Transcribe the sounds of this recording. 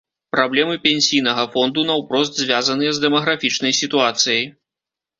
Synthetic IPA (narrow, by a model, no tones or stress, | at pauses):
pɾablʲɛmɨpʲɛnʲsʲijnɐɣɐfɔnd̪unɐwpɾɔst̪zʲvʲazɐnɨjɛzd̪ɛmɐɣɾafʲit͡ʂnɐjsʲit̪uat̪sɨjɐj